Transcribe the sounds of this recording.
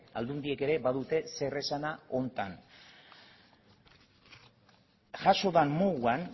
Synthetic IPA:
a̰ld̪und̪ieke̞ɾe̞baðut̪e̞se̞re̞sanao̞nt̪an | ʝaʃo̞ðanmoɣuan

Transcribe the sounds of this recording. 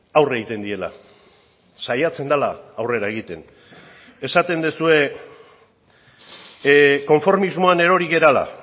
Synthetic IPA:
awreɣit̪e̞nd̪ie̞la̰ | sajat͡se̞nd̪alaːwre̞ɾae̞ɣ̞it̪e̞n | e̞sat̪e̞nd̪esue̞ | ko̞ɱfo̞ɾmizmo̞ane̞ɾo̞ɾiɣe̞ɾala̰

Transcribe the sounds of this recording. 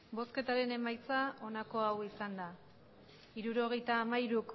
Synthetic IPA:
bo̞ske̞t̪aɾe̞ne̞majt͡sao̞nako̞awisand̪a | iɾuɾo̞ɣ̞e̞jt̪aːmaiɾuk

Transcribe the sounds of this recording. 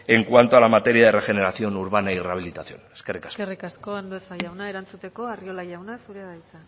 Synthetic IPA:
e̞ŋkwant̪oalamat̪e̞ɾiaðere̞xe̞ne̞ɾaθio̞nuɾβ̞anaireaβ̞ilit̪aθjo̞̰neskerikḁserikasko̞and̪oesajawnae̞ɾant͡sut̪e̞ko̞ario̞lajawnasuɾeðajt̪a

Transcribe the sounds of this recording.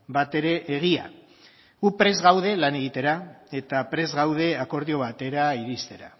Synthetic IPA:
bat̪e̞ɾe̞ʔːɣ̞ia̰ | ɣupɾe̞zɣawð̞e̞lane̞ɣit̪e̞ɾae̞t̪apɾe̞zɣawð̞e̞ako̞ɾðio̞β̞at̪e̞ɾaiɾist̪e̞ɾa

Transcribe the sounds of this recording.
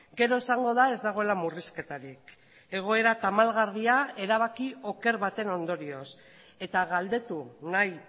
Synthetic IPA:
ɡe̞ɾo̞esaŋɡo̞ðae̞zd̪aɣ̞o̞e̞lamuriske̞t̪aɾik | e̞ɣ̞o̞e̞ɾat̪amalɣariae̞ɾaβ̞akio̞ke̞ɾβat̪e̞no̞nd̪o̞ɾio̞s | e̞t̪aɣald̪e̞t̪unaj

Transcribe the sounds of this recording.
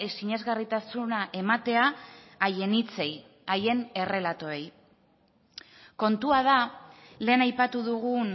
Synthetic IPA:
siɲe̞zɣarit̪asunaʔe̞mat̪e̞aːje̞nit͡se̞j | aje̞ne̞re̞lat̪o̞e̞j | ko̞nt̪uaða | le̞ːnajpat̪uðuɣ̞un

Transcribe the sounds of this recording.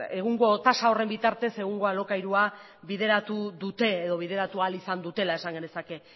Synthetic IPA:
e̞ɣ̞uŋɡo̞t̪asao̞re̞mbit̪aɾt̪e̞se̞ɣ̞uŋɡo̞alo̞kajɾua | βiðe̞ɾat̪uðut̪e̞ːðo̞β̞iðe̞ɾat̪ualisand̪ut̪e̞lae̞saŋɡene̞sake̞

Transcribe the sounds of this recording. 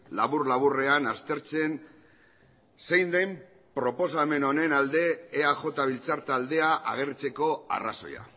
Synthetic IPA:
laβurlaβure̞anast̪e̞ɾt͡se̞n | se̞jnd̪em | pɾo̞po̞same̞no̞ne̞nald̪e̞ːaʝo̞t̪aβilt͡saɾt̪ald̪e̞aʔaɣ̞e̞ɾrt͡se̞ko̞a̰ra̰so̞̰ja̰

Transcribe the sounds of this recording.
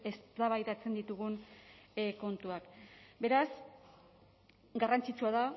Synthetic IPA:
e̞st̪aβajt̪at͡se̞nd̪it̪uɣun | ko̞nt̪uakbe̞ɾas | ɡarant͡sit͡suað̞a

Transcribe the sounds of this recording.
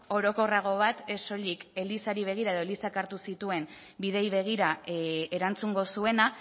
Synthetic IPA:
o̞ɾo̞ko̞raɣ̞o̞β̞at̪e̞so̞ʎike̞lisaɾiβ̞e̞ɣ̞iɾae̞ð̞o̞elisakaɾt̪usit̪ue̞n | biðe̞jβ̞e̞ɣ̞iɾae̞ɾant͡suŋɡo̞sue̞na

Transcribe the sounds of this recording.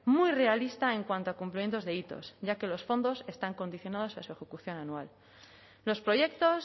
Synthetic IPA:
mujre̞alist̪aeŋkwant̪oakumplimje̞nt̪o̞zðe̞it̪o̞̰sʝake̞lo̞sfo̞nd̪o̞se̞st̪aŋko̞nd̪iθjo̞nað̞o̞sasue̞xe̞kuθjo̞nanual | lo̞spɾo̞ʝe̞k̚t̪o̞s

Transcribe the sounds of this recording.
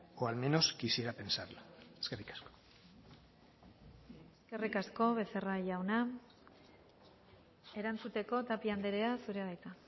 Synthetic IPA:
oalme̞no̞skisieɾape̞nsaɾlaeskerikḁsko̥ | eske̞rikasko̞βe̞se̞raʝawna | e̞ɾant͡sut̪e̞ko̞t̪apiand̪eɾeasuɾeɣajt̪a

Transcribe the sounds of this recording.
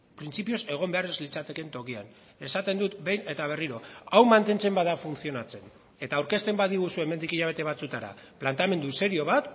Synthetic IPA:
pɾint͡sipio̞se̞ɣ̞o̞mbe̞arezlit͡sat̪e̞ke̞nt̪o̞kia̰n | e̞sat̪e̞nd̪ut̪be̞jne̞t̪aβ̞e̞riɾo̞awmant̪e̞nt͡se̞mbaðafunθio̞nat͡se̞n | e̞t̪aːwɾke̞st̪e̞mbaðiɣusue̞me̞nd̪ikiʎaβ̞e̞t̪e̞β̞at͡sut̪aɾa̰plant̪ame̞nd̪use̞ɾio̞β̞at̪

